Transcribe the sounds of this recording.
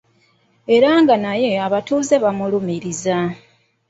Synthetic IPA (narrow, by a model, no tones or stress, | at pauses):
e̞ɾaŋɡanaje̞aβatuːze̞βamulumiɾiza